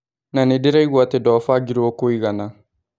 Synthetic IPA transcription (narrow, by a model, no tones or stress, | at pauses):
nanediɾaiɡwatedɔːfaɡiɾiwokoiɡana